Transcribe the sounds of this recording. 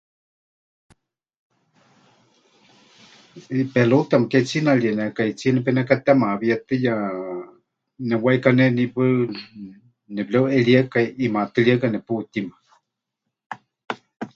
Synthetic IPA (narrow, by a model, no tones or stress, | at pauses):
pɛlot̪amaket͡sinaljenɛkait͡sianɛp̬ɛnɛkat̪ɛmaβijat̪ɨja | nɛwaikanɛnipɨ | nɛblɛweljakaʔimat̪ɨliakanɛput̪ima